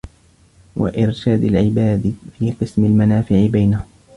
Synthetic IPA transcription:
wa̰ʔɪɾʃaːd̪alʕɪbaːd̪fiːqɨsmalmanaːfɪʕɪbajnahʊm

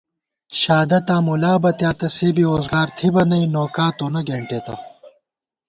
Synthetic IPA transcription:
ɕaːd̪ɐt̪ãːmulaːbɐt̪jaːt̪ɐseːbiɾoːzɡaːɾt̪ʰibɐnɐinoːkaːt̪oːnɐɡeːɳʈeːt̪ɐ̰

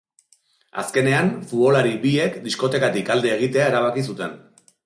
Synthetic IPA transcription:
a̰ske̞ne̞anfuβo̞laɾiβie̞kd̪isko̞t̪e̞kat̪ikald̪e̞ːɣ̞it̪e̞aeɾaβ̞akisut̪e̞n

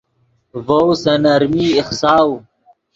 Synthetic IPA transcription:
vowsɐnɐɾmiːixsaːw

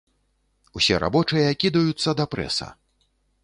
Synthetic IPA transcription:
usʲɛɾa̰bɔt͡ʂɨjɐakʲid̪ɐjut̪sːɐd̪ɐpɾɛ̰sɐ̰

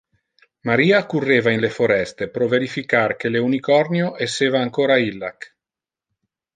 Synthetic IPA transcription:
maɾiːakurːeːvainlefoɾɛst̪epɾoveɾifikark̟eleunikɔrnjoʔesːeːvaːŋkoːɾailːa̰k

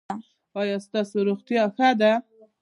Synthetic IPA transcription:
ɑjɑst̪ɑsoɾoɣt̪jɑxad̪a

